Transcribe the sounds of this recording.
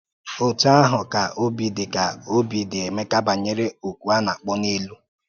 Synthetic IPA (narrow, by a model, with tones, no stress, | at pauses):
o˨ta˦a˦ɦʊ˨ka˨ʔo˦bi˨dɪ˨ka˨o˦bi˨dɪ˨e˨me˦ka˦ba˨ɲe˦ɾe˦o˨kʷu˨a˦na˨k͡pɔ˦ne˦lu˦